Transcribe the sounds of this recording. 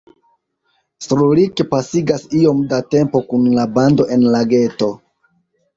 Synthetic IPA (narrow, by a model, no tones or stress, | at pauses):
sɾulikpasiɡasio̞mdate̞mpo̞kunlabando̞ʔe̞nlaɡe̞to̞